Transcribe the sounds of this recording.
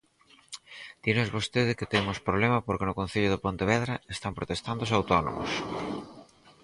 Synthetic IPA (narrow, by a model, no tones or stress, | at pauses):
d̪̥inozβost̪eðɪkɪt̪emʊspɾoβlɛmɐpoɾkenʊkõn̟θiʎʊðɪpont̪eβ̞ɛðɾɐest̪ampɾot̪est̪and̪oʊsawt̪ono̰mʊ̰s